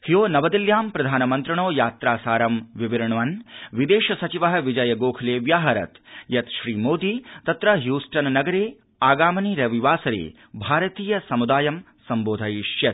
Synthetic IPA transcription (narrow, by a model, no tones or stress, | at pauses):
hijoːnɐʋɐd̪iljaːmpɾɐd̪ʱaːnɐmɐnt̪ɾɐɳoːjaːt̪ɾaːsaːɾɐmʋiʋiɾɐɳɐʋɐnʋid̪eːʃɐsɐt͡ʃiʋɐɦɐ̆ʋid͡ʒɐjɐɡoːkʰɐleːʋjaːɦɐɾɐ̰t̪jɐt̪ʃɾiːmoːd̪iːt̪ɐt̪ɾɐɦjuːsʈɐnnɐɡɐɾeː | aːɡaːmɐniɾɐʋiʋaːsɐɾḛː | bʱaːɾɐt̪iːjɐsɐmud̪aːjɐm | sɐmboːd̪ʱɐjʃjɐt̪